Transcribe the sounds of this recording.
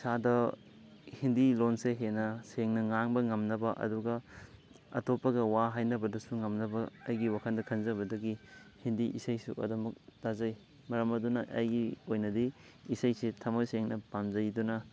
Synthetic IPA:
sadɐ | hindilonseɦenɐseŋnɐŋaŋbɐŋɐmnɐbɐʔɐ̰duɡɐ | ɐ̰topːɐɡɐwaɦajnɐbɐdɐsuŋɐmnɐbɐːjɡiwakʰɐndɐkʰɐnzɐbɐdɐɡihindiʔisajsṵʔɐ̰dɐmɐk̚d̥azɐj | mɐɾɐmɐdunɐʔɐ̰jɡiojnɐdi | isajsetʰɐmojseŋnɐpamzɐjdunɐ

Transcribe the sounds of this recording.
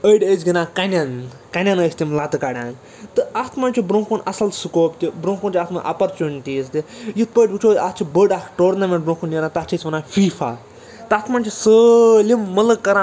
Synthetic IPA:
əjɖezɡinãːkɐnʲɐn | kɐnʲɐnəːsʲt̪imlɐt̪ɨkaɽʲãːn | t̪ɨat̪ʰmɐnʲt͡ʃʰubɾõːkunɐ̰sɐlsɨkoːpt̪ʲibɾõːkoːnt͡ʃʲiaːt̪ʰmɐ̰nʔɐ̰pɐɾt͡ʃunʲt̪iːsd̪ʲijit̪̚ʰpəːʈʲbut͡ʃʰoːd̪ʲat͡ʃʰibəːɖaːkʰʈoːɾnɐmʲẽɳʈ̚bɾõːkunjɐɾãt̪at͡ʃʰisʲʋɐnaːfiːfa̰ː | t̪ɨaːt̪ʰmant͡ʃʰisəlimːɐlɨkːɐɾã

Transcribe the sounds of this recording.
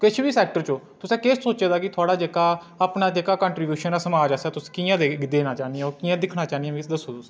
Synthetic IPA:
kɪt͡ʃʰbiːsɛːk̚ʈəɾt͡ʃõːt̪ʊsɛ̃ːkeːssoːt͡ʃeːd̪aːkɪt̪ʰʊaːɽaːd͡ʒeːkaː | əpnaːd͡ʒeːkaːkãːɳʈɾiːbjuːʃənaːsəmaːd͡ʒasaːt̪ʊsĩ̥ːkiːãːd̪eːd̪eːnãːt͡ʃaːniɛ̃okiːãːd̪ɪkʰnaːt͡ʃaːnijɛ̃ːmd̪əsːoːt̪ʊs

